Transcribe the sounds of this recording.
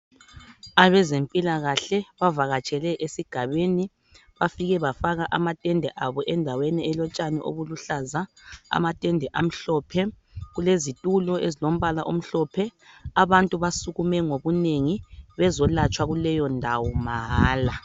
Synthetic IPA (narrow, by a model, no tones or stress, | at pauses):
aβɛzempʼilaɣaɬɛβavaɣat͡ʃʼɛlɛʔesiɡ̥ʱaβeni | βafiɣɛβafaɣaʔamatʼɛndʱɛʔaβɔʔɛndʱawɛnɛɛlɔt͡ʃʼanɛ̰ʔo̰βuluɬazaa̰matʼɛndʱɛʔam̩ɬɔpʰɛ | ɣulezitʼulɔʔezilom̩βalaʔom̩ɬɔpʰɛaβantʼuβasuɣumɛŋoβuneŋiβɛzɔlat͡ʃʼwaɣulɛjɔndʱawɔmaɦaːla